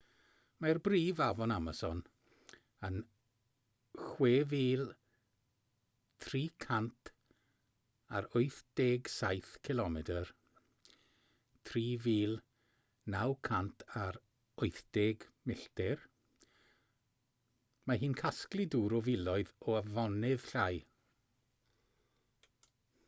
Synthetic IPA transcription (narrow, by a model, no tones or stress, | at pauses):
marbriːvavɔnamasɔn | ən | xweːviːlˠ | tʰriːkʰantʰ | aɾojθd̥eːɡsajθkʰɪlˠɔmɛtər | tʰriːviːlˠ | nawkʰantʰaɾ | ʊjθd̥eːɡmɪɬtɛr | maɦiːnkʰasklˠɪduːɾɔvɪlˠɔɨðɔavɔnɪðɬaj